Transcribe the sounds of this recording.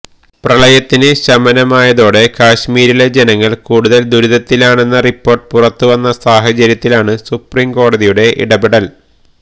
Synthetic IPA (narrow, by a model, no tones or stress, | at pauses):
prɐɭɐjɐt̪ːinɨɕɐmɐnɐmaːjɐðo̞ːɽe̞kaːɕmiːɾile̞d͡ʑenɐŋːɐɭkuːɽuðɐld̪uɾuðɐt̪ːilaːɳe̞nːɐripːo̞ːrʈ̚purɐt̪ːuʋɐnːɐsaːɦɐt͡ɕɐɾjɐt̪ːilaːɳɨsupriːmko̞ːɽɐðijuɽe̞ʔḭɽɐbeɽɐl